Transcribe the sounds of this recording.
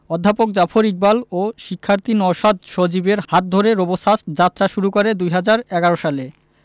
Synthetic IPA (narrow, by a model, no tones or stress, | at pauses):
ɔd̪ʱːapok̚d͡ʑafʰoɾik̚baloʃikʰːaɾt̪inɔʃad̪ʃod͡ʑibeɾhat̪̚d̪ʱoɾeɾobosasd͡ʑat̪ːɾaʃuɾukoɾed̪ujɦad͡ʑaɾɛɡaɾoʃale